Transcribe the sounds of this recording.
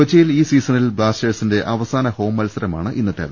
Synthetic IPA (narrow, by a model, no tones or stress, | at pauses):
ɐt͡ɕːɐjiliːsiːsɐnilbɭaːsʈeːɖsinde̞ʔɐʋɐsaːnɐho̞ːmːɐlsɐɾɐmaːɳɨʔinːɐt̪ːeːðɐ